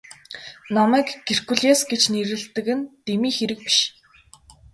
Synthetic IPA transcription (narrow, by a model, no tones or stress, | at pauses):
namæːkɡ̥er̥kuɮeːsɡet͡ɕneɾɘ̆ɮt̪ɘ̆kɘ̆nt̪emiːxeɾɘ̆k̚pi̥ʃ